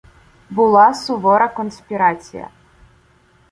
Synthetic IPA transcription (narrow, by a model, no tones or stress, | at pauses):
bɨlˠasubɔɾɐkɔnsʲpʲiɾat͡sʲḭjɐ̰